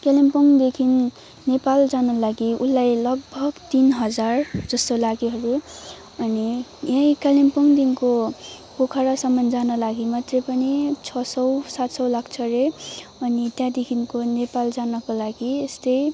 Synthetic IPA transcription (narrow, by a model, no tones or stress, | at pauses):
kalimpoŋd̪ekʰinː | epald͡zanʌlaɡiulːajlʌɡ̚bʱʌɡt̪inɦʌd͡zard͡zʌst̪olaɡiɦʌɾu | ʌnijãjkalimpoŋd̪inko | pokʰaɾasʌmʌnd͡zanʌlaɡimat̪repʌnit͡sʰʌsʌwsat̪sʌwlakʰt͡sʰʌɾeʌnit̪jãd̪ekʰinkonepald͡zanʌkolaɡiest̪ʌj